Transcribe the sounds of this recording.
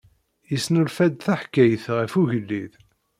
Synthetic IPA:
jisnəlfæd̪θæħkːæjəθʁəfuʝəlːið

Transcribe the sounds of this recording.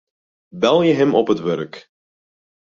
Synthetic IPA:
bɛlˠjəɦɛmʔɔpətʋørk

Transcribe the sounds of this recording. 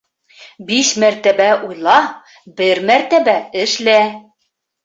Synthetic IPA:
biʃmæɾt̪æbæʔujlˠɑ | bɘɾmæɾt̪æbæɘ̆ʃlæ

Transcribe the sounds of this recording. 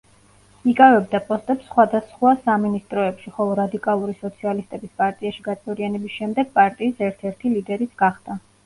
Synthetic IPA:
ikʼavɛbd̪apʼɔst̪ʼɛpsːχwad̪asχwasaminist̪ʼɾɔɛpʃiχɔlˠɔɾad̪ikʼalˠuɾisɔt̪sʰialist̪ʼɛbispʼaɾt̪ʼiaʃiɡat̪sʼɛvɾianɛbisʃɛmd̪ɛɡ̥̚pʼaɾt̪ʼiːsɛɾt̪ʰɛɾt̪ʰilid̪ɛɾit̪sɡ̥aχd̪̥a

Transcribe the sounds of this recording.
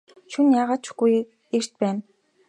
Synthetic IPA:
ʃunjaːʁaːt͡ɕɡuj | er̥t̪̚pæːn

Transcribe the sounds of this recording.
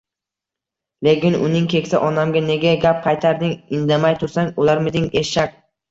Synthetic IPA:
lekʲɪnʊ̰nɪŋkʲʰe̞kʲsaʔɒnamɡʲane̞ɡʲaɡʲap̚qʰɑjt̪ʰaɾd̪ɪŋɪnd̪amajt̪ʰʊɾsaŋʊlaɾmɪd̪ɪŋeʃak̚ʲ

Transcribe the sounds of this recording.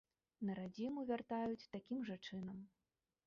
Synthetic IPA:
nɐɾad͡zʲimuvʲart̪ajut͡sʲt̪akʲimʐat͡ʂɨnɐm

